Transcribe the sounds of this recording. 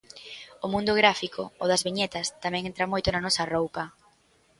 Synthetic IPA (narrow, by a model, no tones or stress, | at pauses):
ʊmũnd̪ʊɣɾafikʰʊoðɐzβiɲɛt̪ɐst̪amɛ̃ŋent̪ɾamojt̪ʊnɐnɔsɐrowpɐ